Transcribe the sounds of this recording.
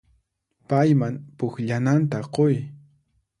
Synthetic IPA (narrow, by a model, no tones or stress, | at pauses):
pajmaŋpʊxʎanant̪aqoj